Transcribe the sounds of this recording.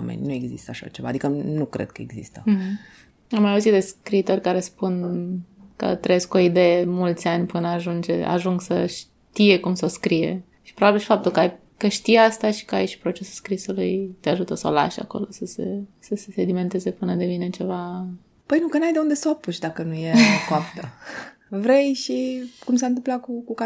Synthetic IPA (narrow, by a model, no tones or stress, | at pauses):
a̰mḛnʲnue̞ɡzḭst̪əaʃa̰t͡ʃeva̰ːd̪ikənukɾḛd̪̚kəeɡzḭst̪əm̩ɦ̩ | amːajauzit̪d̪e̞skɾiːt̪o̞rʲkaɾe̞spun | kə̰t̪ɾejesko̞id̪e̞jemult̪sʲanʲpɨnəaʒund͡ʒḛa̰ʒuŋɡsəʃ | t̪ije̞kumso̞skɾije̞̰ | ʃi̥pɾobabilʃifapt̪ulkəaj | kəʃt̪ijast̪aʃi̥kəa̰jiʃpɾo̞t͡ʃe̞sulskɾisulujt̪eaʒut̪əsəo̰la̰ʃa̰ko̞̰lo̞səsḛsəsesed̪ime̞nt̪e̞ze̞pɨnəd̪e̞vine̞t͡ʃe̞va | pəjnukənajd̪eund̪esoapuʃd̪akənujeokoapt̪ə | vɾejʃikumsant̪ɨmplatkukuka